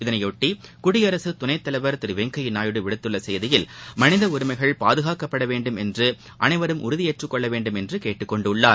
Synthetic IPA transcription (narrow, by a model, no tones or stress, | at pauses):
ɪðɐnɐjoːʈːikʊɽɪjɐɾɐsɯt̪ʊnɐɪt̪ːɐlɐʋɐɾt̪ɪɾɯʋɛŋkɐjɪnaːjɯɽɯʋɪɽɯt̪ːɯɭːɐsɛjðɪjɪlmɐnɪðɐʊɾɯmɐɪɣɐɭpaːðɯɣaːkɐpːɐɽɐʋeːɳɖɯmɛndrɯ | ʔɐnɐɪʋɐɾɯmʔʊ̰ɾʊðɪeːʈrɯkːɔɭːɐʋeːɳɖɯmɛndrɯkeːʈːɯkːɔɳɖɯʊɭːaːɾ